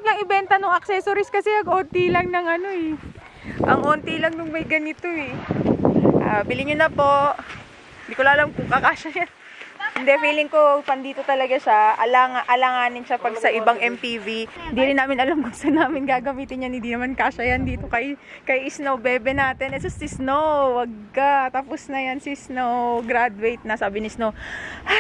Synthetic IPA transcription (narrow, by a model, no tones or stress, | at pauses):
blɐŋɪbɛnt̪ɐnoŋɐk̚sɛsoɾiskɐsɛnɐɡʔoːt̪ilɐŋnɐŋʔɐno̞ɛ | ʔɐ̰ŋʔoːnt̪ilɐŋnʊŋmɐjɡɐnɪt̪o̞ɛ | ʔabɪlɪɲʊnɐpo̞ʔ | ɪnd̪ikolaʔɐlamkʊŋkɐkaːʃɐjan | hɪnd̪ɛfiːlɪŋkopɐnd̪iːt̪o̞t̪ɐlɐɡaʃaʔɐlaːŋaʔɐlaŋaːnɪnʃapɐɡsɐʔɪbaŋʔɛmpivihɪnd̪iɾɪnːaːmɪnʔɐlamɡʊŋsɐnaːmɪnɡaːɡɐmiːt̪ɪnjɐnhɪnd̪inɐmankaːʃɐjand̪iːt̪o̞kɐj | kɐjʔɪsnowbɛːbɛnaːt̪ɪnʔɛs̬ɐsɪsnowwɐɡ̚kat̪aposnɐjansɪsnowɡɾad̪wejt̪̚nɐsaːbɪnɪsnow